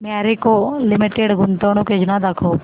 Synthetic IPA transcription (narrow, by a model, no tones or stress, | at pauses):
maɾekolɪmɪʈeɖɡʱʊnt̪onũked͡ʒnad̪ɐkʰoː